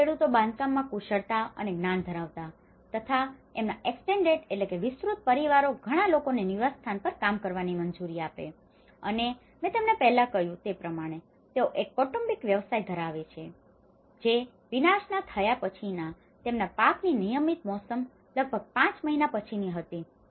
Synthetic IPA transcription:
eɽut̪obãnd̪̚kamːãkuʃəɭt̪aə̰neɡnand̪ʱəɾaʋt̪a | t̪ət̪ʰaemnaʔeksʈeɳɖeʈetlekeʋɪsɾut̪̚pəɾiʋaɾoɡʱəɽ̃alokoneniʋast̪ʰanpəɾkamkəɾʋanimənd͡ʒuɾiapḛ | ə̰ne | mɛ̃t̪emnepɛɦlakəɦjũt̪epɾəmaɽ̃e | t̪eoʔekːɔʈəmbikʋjəʋsajd̪ʱəɾaʋet͡ʃʰe | d͡ʒe | ʋinaʃnat̪ʰəjapət͡ʃʰina | t̪emnapakninijəmit̪mɔsəm | ləɡ̚bʱəɡ̚pãt͡ʃməɦinapət͡ʃʰiniɦət̪i

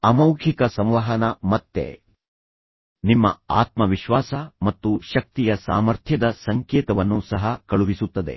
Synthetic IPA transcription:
ɐmɐwkʰikɐsɐ̃m̃ʋɐɦɐnɐmɐt̪ːḛ | nimːɐ̰aːt̪mɐʋiʃʋaːsɐmɐt̪ːuʃɐk̚t̪ijɐsa̰ːmɐɾt̪ʰjɐd̪ɐsɐŋkeːt̪ɐʋɐnːusɐɦɐkɐɭubisut̪ːɐd̪e̞̰

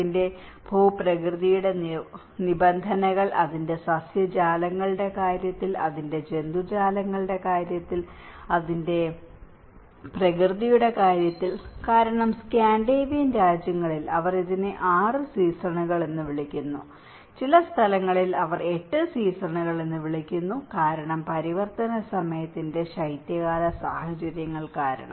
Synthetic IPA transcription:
inde̞ | bʱoːprɐkrɨðijuɽe̞ | nibɐnd̪ʱɐnɐɣɐɭʔɐðinde̞sɐsjɐd͡ʑaːlɐŋːɐɭɨɽe̞kaːɾjɐt̪ːilɐ̰ðinde̞d͡ʑe̞nd̪ud͡ʑaːlɐŋːɐɭɨɽe̞kaːɾjɐt̪ːil | ɐðinde̞ | prɐkrɨðijuɽe̞kaːɾjɐt̪ːilkaːɾɐɳɐmskaːɳɖeʋinɾaːd͡ʑjɐŋːɐɭilɐʋɐriðinɨʔaːrɨsiːsrɐɳuɣɐɭe̞nːɨʋiɭikʲːunːu | t͡ɕilɐst̪ʰɐlɐŋːɐɭilɐʋɐre̞ʈːɨsiːsrɐɳuɣɐɭe̞nːɨʋiɭikʲːunːukaːɾɐɳɐmpɐɾiʋɐrt̪ɐnɐsɐmɐjɐt̪ːinde̞ɕɐjt̪jɐɣaːlɐsaːhɐt͡ɕɐɾjɐŋːɐɭkaːɾɐ̰ɳɐ̰m

